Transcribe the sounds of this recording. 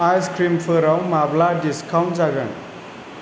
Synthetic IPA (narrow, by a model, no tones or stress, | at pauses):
ajskʰɾimpʰɯɾawmabladiskʰawntsaɡən